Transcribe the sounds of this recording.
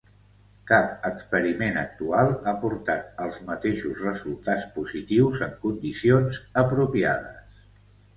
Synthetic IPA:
kap̚əkspəɾimenək̚t̪ualˠapuɾt̪at̪̚əlˠzmət̪eʃuzrəzulˠt̪at͡spuzit̪iwzəŋkund̪isionzəpɾupiaðə̰s

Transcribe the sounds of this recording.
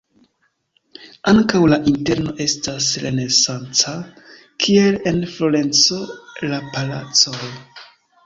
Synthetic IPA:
aŋkawlaʔinte̞ɾno̞ʔe̞stasɾe̞̰ne̞sant͡sa | kʰie̞le̞nfloɾe̞nt͡so̞lapala̰t͡soj

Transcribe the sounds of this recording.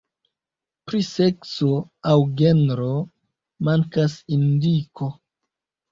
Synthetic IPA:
pɾise̞ksoawɡenɾo | maŋkasindikʰo̞

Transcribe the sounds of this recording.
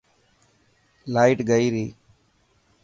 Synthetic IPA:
laːɪʈɡəiːɾiː

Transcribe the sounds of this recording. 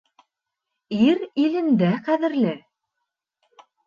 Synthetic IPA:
iɾilɘ̆nd̪æqæðɘ̆ɾlɘ

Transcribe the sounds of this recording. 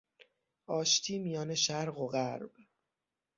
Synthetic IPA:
ʔɒːʃt̪ʰiːmijɒːne̞ʃæɾɣo̞ɣæɾb

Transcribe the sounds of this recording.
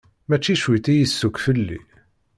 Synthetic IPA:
mæt͡ʃːiʃwit̪ijəsːʊkfəlːḭ

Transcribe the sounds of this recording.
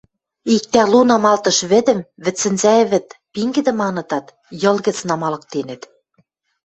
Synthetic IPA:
ik̚t̪ælunɑmɑlt̪ɤ̆ʃβɘ̆d̪ɘ̆mβɘ̆t͡sːɘ̆nzæɘ̆βɘ̆t̪piŋɡɘ̆d̪ɘ̆mɑnɤ̆t̪ɑt̪ | jɤ̆lˠɣɘ̆t͡snɑmɑlɤ̆k̚t̪enɘ̆t̪

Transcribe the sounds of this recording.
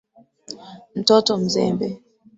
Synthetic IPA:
n̩tɔtɔm̩zɛ̰mbɛ

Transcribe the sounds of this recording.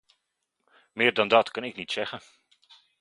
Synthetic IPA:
mɪːrdɔndɑtkɑnɪknitsɛɣən

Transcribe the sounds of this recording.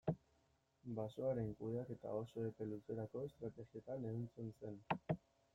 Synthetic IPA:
basoaɾe̞ŋkuðeake̞t̪a̰o̞so̞epe̞luse̞ɾako̞est̪ɾat̪e̞ɣie̞t̪ane̞ɣint͡sense̞n

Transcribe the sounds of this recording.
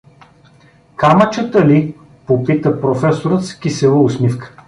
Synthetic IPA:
kamət͡ʃət̪əli | popit̪əpɾofɛsoɾət̪skʲisɛlˠəʊsmifkə̥

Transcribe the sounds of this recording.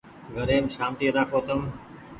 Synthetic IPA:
ɡʱəɾeːmʃaːmt̪iːɾaːkoːt̪əm

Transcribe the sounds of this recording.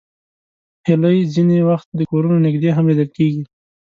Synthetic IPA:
hɪləjzinewaxt̪̚d̪əkoɾunonɪɡd̪eɦamlid̪əlkeɡi

